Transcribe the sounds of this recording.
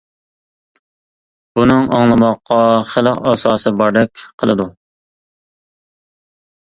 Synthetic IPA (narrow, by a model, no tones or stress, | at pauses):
b̥unɨŋɑŋlˠɨmɑqːɑχəlˠəqɑsɑːsɨbɑɾd̪ɛkʲqʰəlˠɨd̪u